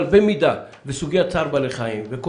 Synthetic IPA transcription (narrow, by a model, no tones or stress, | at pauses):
lbemid̪a | vesuɡejat͡saɾbaleχaimveko